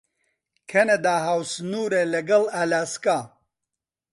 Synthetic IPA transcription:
kʰɐnɐd̪aːɦaːwsnuːɾelɐɡɐlalaːskaː

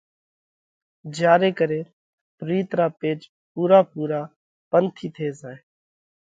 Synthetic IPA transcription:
d͡ʒjaːɾeːkəɾeː | pɾiːt̪ɾaːpeːd͡ʒ | puːɾaːpuːɾaː | pənt̪ʰiːt̪ʰeːzaːeː

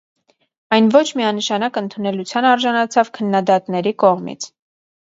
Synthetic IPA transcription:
ɑjnvɔt͡ʃʰmiɑnəʃɑnɑkənt̪ʰunɛlut͡sʰjɑnɑɾʒɑnɑt͡sʰɑvkʰənːɑd̪ɑt̪nɛɾikɔʁmḭt͡sʰ

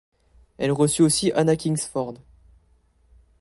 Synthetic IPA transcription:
ɛlʁəsyosiʔanakʲiŋsfɔʁd̪

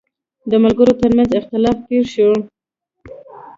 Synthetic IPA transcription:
d̪əmalɡəɾot̪əɾmanzɪxt̪ɪlɑfpeɾʃe

